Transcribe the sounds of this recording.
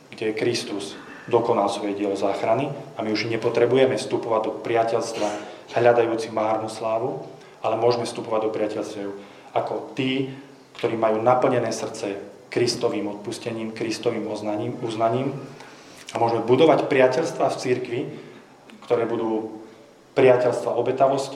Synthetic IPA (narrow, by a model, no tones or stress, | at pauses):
ɡɟɛɛkɾist̪uz̥ | d̪ɔkɔnalsʋɔjɛɟɪɛlɔzaːxɾaniamiuʒɲɛpɔt̪ɾɛbujɛmɛfst̪upɔʋaɟd̪ɔpɾɪacɛʎst̪ʋaɦʎad̪ajuːt͡simaːɾnuslaːʋu | alɛmʊɔʒmɛfst̪upɔʋaɟd̪ɔpɾɪacɛʎstɛʊ | akɔt̪iː | kt̪ɔɾiːmajuːnapl̩ɲɛnɛːsr̩t͡sɛ | kɾist̪ɔʋiːmɔt̪̚puscɛɲiːmkɾist̪ɔʋiːmɔauznaɲiːm | amʊɔʒmɛbud̪ɔʋacpɾɪacɛʎst̪ʋaːft͡siɾkʋi | kt̪ɔɾɛːbud̪uː | pɾɪacɛʎst̪ʋaʔɔbɛt̪aʋɔsc